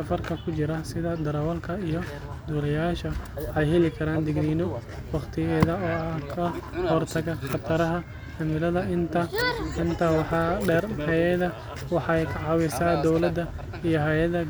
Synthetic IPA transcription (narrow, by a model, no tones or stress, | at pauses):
ɐfɐrkʰɐkʰʊt͡ʃɪɾɐsɪðɐd̪ɐɾɐwɐlkʰɐijɔ | d̪uːlɛjaːʃɐʔɛjhɛlɪkʰɐɾaːnd̪ɪɡniːnɔ | wɑqt̪ʰɪjɛðɐɔːɐhkʰɐhɔrt̪ʰɐɣɐχɑt̪ʰɐɾɐɦɐ | hɐmɪlɐðɐɪnt̪ʰɐɪnt̪ʰɐwɑħɑɛrhɛjɛðɐ | wɑħɑɛjkʰɐʕɑːwɪsaːd̪ɔwlɐd̪ɐ | ijɔɦɛjɐðɐ